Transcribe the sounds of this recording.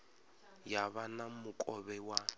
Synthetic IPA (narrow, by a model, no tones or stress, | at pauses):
jaβanamʊkʼɔβɛwa